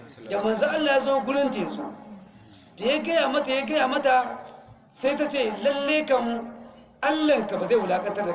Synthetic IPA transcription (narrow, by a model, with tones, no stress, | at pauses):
da˨mɐ˨nza˦ʔa˦lːa˨ja˦zo˦ɡʷʊ˦ɽɪ˦nteː˨zoː˦ | da˨ja˦ɡɐ˦ja˨mɐ˦ta˨ja˦ɡɐ˦ja˨mɐ˦ta˨ | sa˦jta˦t͡ʃeː˦˨lɐ˦lːe˦kɐ˨m˦ | ʔa˦lːɐ˨ŋka˨ba˨za˦˨hla˨˦kɐ˦tɐ˦rda˨